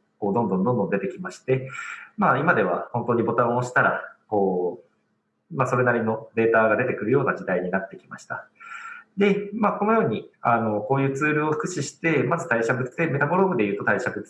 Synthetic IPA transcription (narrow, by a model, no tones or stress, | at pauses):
ko̞ːd̪õ̞nd̪õ̞nd̪õ̞nd̪õ̞d̪e̞t̪ekʲimaɕi̥t̪e̞maːimad̪e̞β̞a̰hõ̞nt̪o̞ːɲ̟ibo̞t̪ãɰ̃oɕi̥t̪aɾa̰ko̞ː | maso̞ɾe̞naɾʲino̞d̪e̞ːt̪aːɡad̪e̞t̪e̞kɯ̟ɾɯ̟jo̞ːnaʑid̪aiɲ̟inat̪ːe̞kʲimaɕi̥t̪a̰ | d̪e̞maːko̞no̞jo̞ːɲ̟iano̞ko̞ːjɯ̟ːt͡sɨːɾɯ̟o̞ɸɯ̥kɯ̟ɕiɕi̥t̪e̞mazɨt̪aiɕabɯ̟t͡sɨd̪e̞me̞t̪aboɾoːbɯ̟d̪e̞jɯ̟ːt̪o̞t̪aiɕabɯ̟t͡s